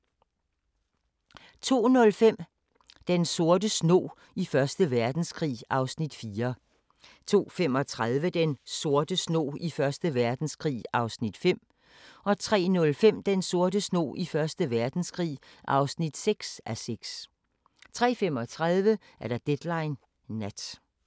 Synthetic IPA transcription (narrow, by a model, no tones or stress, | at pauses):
t͡sʰo̝̰ːnɔ̽lfem̰ | d̥enso̝ɐd̥əsno̰ː | ifɶɐsd̥əʋæɐd̥n̩skʰʁḭːɑ̈ʊsnid̥fiːɐ | t͡sʰo̝̰ːfemɒ̽t͡sʰʁað̞ˠʋəd̥enso̝ɐd̥əsno̰ːifɶɐsd̥əʋæɐd̥n̩skʰʁḭːɑ̈ʊsnid̥fem̰ | ɒ̽t͡sʰʁɛ̰ːnɔ̽lfem̰d̥enso̝ɐdəsno̝̰ːʔifɶɐsd̥əʋæɐd̥n̩skʰʁḭːʔɑ̈ʊsnid̥seɡ̥sæseɡ̥s | t͡sʰʁɛ̰ːfemɒ̽t͡sʰʁað̞ˠʋə | ʔæɐd̥ɑ̈d̥ed̥lɑ̈ɪnː | æd̥